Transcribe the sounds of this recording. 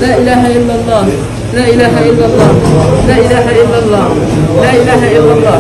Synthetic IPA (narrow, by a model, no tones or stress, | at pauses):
laːʔɪlaːɦaʔɪlːalˤːɑː | laːʔɪlaːɦaʔɪlːalˤːɑːlaːʔɪlaːɦaʔɪlːalˤːɑːlaːʔɪlaːɦaʔɪlːalˤːɑː